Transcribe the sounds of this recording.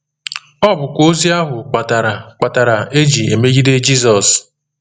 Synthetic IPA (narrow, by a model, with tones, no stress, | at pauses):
ɔ˦bʊ˨kʷo˦zi˦a˦ɦʊ˨k͡pa˨ta˨ɾa˨k͡pa˨ta˨ɾa˨e˦d͡ʒi˨e˨me˦ɡi˦de˦d͡ʒi˦zɔ˨s